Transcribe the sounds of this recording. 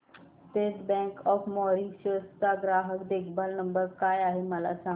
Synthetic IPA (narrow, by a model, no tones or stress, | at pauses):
t̪eːt̪bɛ̃ŋkɔfmɔɾiɡɕəst̪aɡɾaɦəkd̪eːkʰbəlnəmbəɾkaːjaɦeməla̰sã